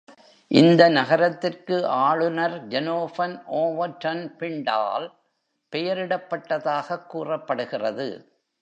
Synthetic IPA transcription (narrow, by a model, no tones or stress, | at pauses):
ʔɪnd̪ɐnɐɣɐɾɐt̪ːɪrkɯʔaːɭɯnɐɾd͡ʒɛnoːfɐnʔoːʋɐʈːɐnpɪɳɖa̰ːl | pɛjɐɾɪɽɐpːɐʈːɐðaːɣɐkːuːrɐpːɐɽɯɣɪrɐðɯ̰